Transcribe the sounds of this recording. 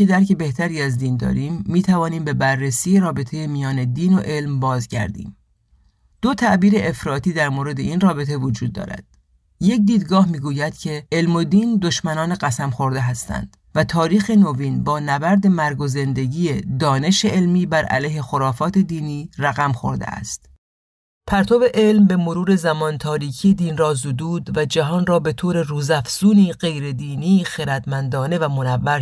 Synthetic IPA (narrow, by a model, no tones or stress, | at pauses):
ed̪æɾcʰe̞be̞ht̪ʰæɾiːæzd̪iːnd̪ɒ̰ːɾiːmːiːt̪ʰævɒːniːmbe̞bærːesiːjeɾɒːbe̞t̪ʰejemijɒːne̞d̪iːno̞ʔe̞lmbɒːzɟæ̰ɾd̪ḭːm | d̪̥ot̪ʰæʔbiːɾe̞ʔefɾɒːt̪iːd̪æɾmoːɾe̞d̪e̞inrɒːbe̞t̪ʰe̞vod͡ʒuːd̪̚ːɒ̰ːɾæ̰d̪̥̚ | je̞c̚d̪iːd̪ɡɒːhmiːɡuːjæd̪̥cʰe̞elmo̞d̪iːnd̪o̞ʃmænɒːne̞ɣæsæmxo̞ɾd̪e̞ɦæst̪æ̰nd̪̥ | væt̪ʰɒːɾiːxe̞noviːnbɒːnæbæɾd̪e̞mæɾɡoze̞nd̪e̞ɟiːjed̪ɒːne̞ʃeelmiːbæɾʔæ̰lejhe̞xoɾɒːfɒːt̪ʰe̞d̪iːniːræɣæmxo̞̰ɾd̪ḛʔæ̰st̪ | pʰæɾt̪ʰobe̞ʔe̞lmbe̞moɾuːɾe̞zæmɒːnt̪ʰɒːɾiːkʰijed̪iːnrɒːzod̪uːd̪væd͡ʒæɦɒːnrɒːbe̞t̪ʰoːɾe̞ruːzæfz̥uːniːɢe̞jɾe̞d̪iːniːxeɾæd̪mænd̪ɒːne̞væmo̞nævːæɾ